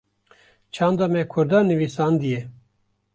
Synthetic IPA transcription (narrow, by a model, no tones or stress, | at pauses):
t͡ʃʰɑːnd̪ɑːmɛkʰʊɾd̪ɑːnɨvisɑːnd̪ijɛ